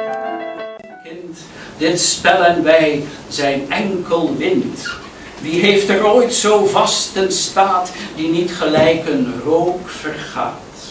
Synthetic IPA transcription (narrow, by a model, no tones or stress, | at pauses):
kɪnt | dɪtspɛlənʋɛj | zɛjnɛŋkəlˠʋɪnt | ʋiɦejftəroːjtsowvɑstənstaːtdinitχəlɛjkənrowkfərχa̰ːt